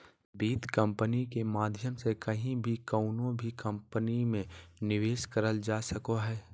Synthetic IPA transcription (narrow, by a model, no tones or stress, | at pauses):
biːt̪kə̃mpənikemaːd̪ʱjəmsekɐɦĩbʱikəʊnõbʱikɐ̃mpənimẽnɪʋeːʃkəɾəld͡ʒaːsəkoɦɛː